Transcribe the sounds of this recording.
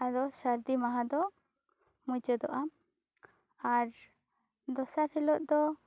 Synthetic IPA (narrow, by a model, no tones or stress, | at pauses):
ad̪ɔsaɾd̪imaɦãd̪ɔ | mud͡ʒəd̪ɔʔam | aɾ | d̪ɔsaɾhɛlɔʔ̪̚d̪ɔ